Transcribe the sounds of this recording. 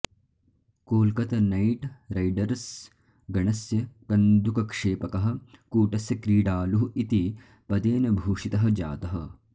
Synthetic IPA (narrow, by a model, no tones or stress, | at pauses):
koːlkɐt̪ɐnɐjʈɾɐjɖɐɾs | ɡɐɳɐsjɐɡɐnd̪ukɐkʂeːpɐkɐɦɐ̆kuːʈɐsjɐkɾiːɖaːluɦuit̪i | pɐd̪eːnɐbʱuːʂit̪ɐɦɐ̆d͡ʒa̰ːt̪ɐɦɐ̆